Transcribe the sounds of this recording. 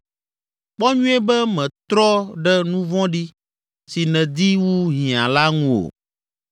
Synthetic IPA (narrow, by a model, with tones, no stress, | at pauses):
k͡pɔ˦ɲũ˦e˦bɛ˦mɛ̃˨t̪ɾɔ˦ɖɛ˦nũ˦vɔ̃˦ɖi˦ | si˨nɛ̃˨d̪i˦wu˦ɦĩ˨ã˨la˦ŋũ˦o̰˨